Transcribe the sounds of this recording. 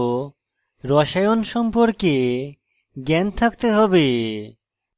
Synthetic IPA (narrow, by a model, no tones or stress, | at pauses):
ɾɔʃajonʃɔmpoɾke | ɡɛnt̪ʰak̚t̪eɦɔbe